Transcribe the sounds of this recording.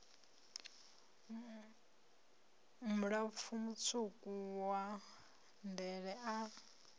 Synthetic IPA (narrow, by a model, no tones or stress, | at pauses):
muɺap̪fumut͡sʰukʼuwa | ndɛɺɛʔa